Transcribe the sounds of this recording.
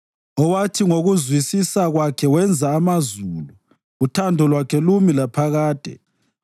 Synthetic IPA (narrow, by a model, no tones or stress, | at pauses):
ɔwatʰiŋoɣuzwisisaɣwakʰɛwɛnd͡zʱaːmazulu | utʰandʱɔlwakʰɛlumilapʰaɣaːd̥ʱɛ̰